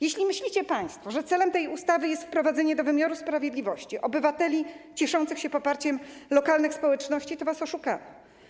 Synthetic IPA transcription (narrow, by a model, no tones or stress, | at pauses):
jeɕlʲimɘɕlʲit͡ɕɛpaj̃st̪fɔʐɛt̪sɛlɛmt̪ɛjust̪avɘjɛst̪fpɾɔvad̪zɛɲɛd̪ɔvɘmʲjaɾuspɾavʲjed̪lʲivɔɕt͡ɕiʔɔbɘvat̪ɛlʲit͡ɕɛʂɔnt̪sɘxɕɛpɔpaɾt͡ɕɛmlɔkalnɘxspɔwɛt͡ʂnɔɕt͡ɕit̪ɔvasɔʂukavɛ